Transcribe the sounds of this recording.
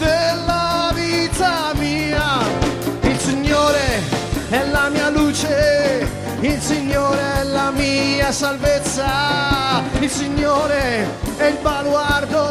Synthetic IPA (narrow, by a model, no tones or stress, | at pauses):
d̪elːaviːt̪amiːa | ilsiɲːoːɾeɛlːamiːaluːt͡ʃe | ilsiɲːoːɾeɛlːamiasalvet̪sːa | ilsiɲːoːɾeɛilbalward̪o